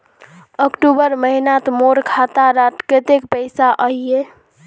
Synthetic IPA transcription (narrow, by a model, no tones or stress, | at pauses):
əkʈubəɾməɦinat̪moɾkʰat̪aɾaʈket̪ekpəjsaʔəɦije